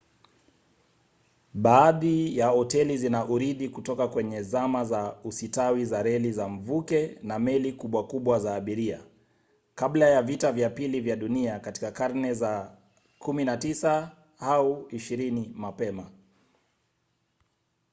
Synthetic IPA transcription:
ɓaːðijahɔtɛlizinaʔuɾiðikutɔkakwɛɲɛzamazausitawizaɾɛlizam̩vukɛnamɛlikuɓwakuɓwazaːɓiɾia | kaɓlajavitavjapilivjaɗuniakati̥kakaɾnɛza | kuminatisa | hauiʃiɾinimapɛma

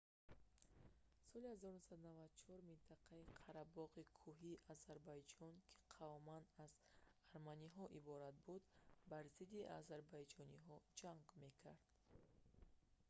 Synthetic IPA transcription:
sɔlihazɔɾunusad̪unavad̪t͡ʃʰɔɾmint̪ʰaqʰaiqʰaɾabɔʁikʰuɦiʔazaɾbajd͡ʒɔnkʰi̥qʰavmanaz | aɾmaniɦɔʔibɔɾat̪̚bud̪baɾzid̪iʔazaɾbajd͡ʒɔniɦɔd͡ʒaŋɡme̞kʰaɾd̪̥

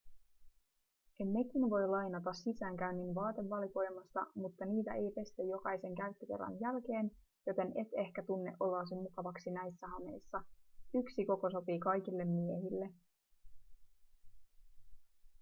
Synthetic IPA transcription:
e̞mːe̞kinʋo̞jlɑjnɑt̪ɑsːisæːŋkæynːinʋɑːt̪e̞ʋːɑliko̞jmɑst̪ɑ̰mut̪ːɑniːt̪æ̰ʔe̞jpe̞st̪ejo̞kɑjse̞ŋkæyt̪ːøk̟e̞̰rːɑ̰njælk̟e̞ːn | jo̞t̪e̞ne̞t̪e̞hkæt̪unːeʔo̞lːɑːsimukɑʋɑksinæjsːæɦɑme̞jsːɑyksiko̞ko̞so̞piːkɑjk̟ilːe̞mːiehilːe̞

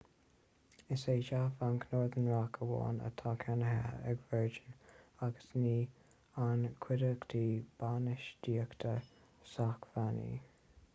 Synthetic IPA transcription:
ɪseːʃafankʰnoːɹðənɹakʰəwɔ̰ːnə̰t̪ʰakʰanəɦa̰ɛ̰ɡvɛɹd͡ʒənaɡə̥sniː | ankʰwɪɾəkt̪ʰiːb̥anɪʃd̥iːəkt̪ʰə | sakvanḭː

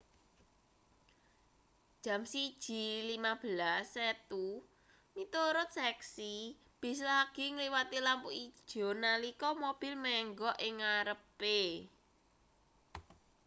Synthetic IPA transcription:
dd̥ʒ̥ä̤msid̥ʒ̥i̤limab̥ə̤lasːɛt̪u | mit̪oɾʊt̪̚sɛksi | b̥e̤s̬laɡ̥iŋliwat̪ilampuʔid̥ʒ̥ɔ̤nalikɔmob̥ɪ̤lmɛŋɡɔʔɪŋaɾəpe

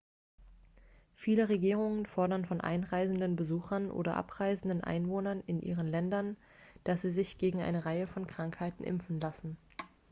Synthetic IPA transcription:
fiːləʁeɡiːʁ̞ʊŋənfɔɐdɐnfɔnʔa̰ɪnʁaɪzn̩dənbəzuːxɐnʔo̰ːdɐ̰ʔa̰pʁ̥aɪzn̩dən̩ʔa̰ɪnvoːnɐnɪnʔḭːʁ̞ənlɛndɐn | d̥asz̥iːzɪçɡ̥eːɡŋ̩ʔa̰ɪnəʁaɪəfɔnkʁ̥aŋkhaɪtn̩ʔɪ̰mfn̩lasn̩

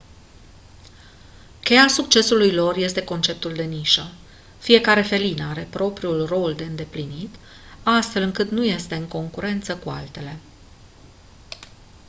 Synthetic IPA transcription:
kʲe̞jasuk̚t͡ʃe̞sulujlo̞rje̞st̪e̞ko̞nt͡ʃe̞p̚t̪uld̪e̞niʃə | fije̞kaɾe̞fe̞linaɾe̞pɾo̞pɾiulro̞ld̪e̞ɨnd̪e̞plinit̪ | ast̪fe̞lɨŋkɨt̪nuje̞st̪e̞ɨŋko̞ŋkuɾe̞nt̪səkua̰lt̪e̞le̞

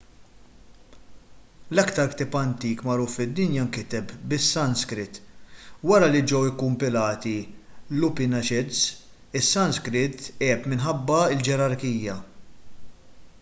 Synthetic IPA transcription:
lɐkt̪ɐɾkt̪ɪpɐnt̪iːkmɐɾufɪd̪ːɪnjɐmkɪt̪ɛpbɪsːɐnskɾɪt̪ːwɐɾɐlid͡ʒɛwɪkːʊmpɪlɐːt̪ilʊpɪnɐʃɪd̪s | ɪsːɐnskɾɪt̪ːɛːpmɪnħɐbːɐɪld͡ʒɛɾɐɾkiːjɐ

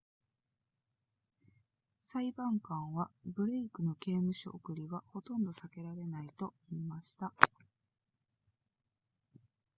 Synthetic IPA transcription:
saibãŋkãɰ̃βabɯ̟ɾe̞ikɯ̟no̞ke̞ːmɯ̟ɕḭʔokɯ̟ɾʲiɡaho̞t̪õ̞nd̪o̞sake̞ɾaɾe̞nait̪o̞iːmaɕi̥t̪a

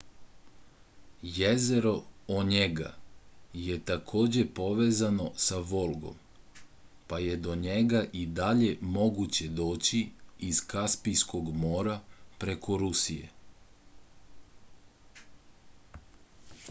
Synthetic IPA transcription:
jezeɾo̞oɲeɡa̰jet̪akʰoːd͡ʑepo̞ʋezano̞saʋo̞lˠɡo̞̰m | paje̞d̪o̞ɲeɡaʔid̪aʎe̞mo̞ɡut͡ɕe̞d̪o̞ːt͡ɕiizkaspijsko̞ɡmoːɾapɾe̞kʰo̞ɾusijḛ

